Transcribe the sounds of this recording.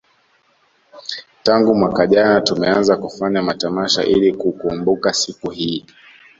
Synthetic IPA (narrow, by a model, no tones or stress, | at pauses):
taŋɡumwakaʄanatumɛanzakufaɲamatamaʃa̰ʔilikukumbukasikuhiː